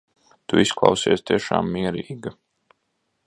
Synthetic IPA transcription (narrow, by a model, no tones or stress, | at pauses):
t̪uisklˠɑ̰wsiɛst̪iɛʃa̰ːmːiɛɾiːɡɐ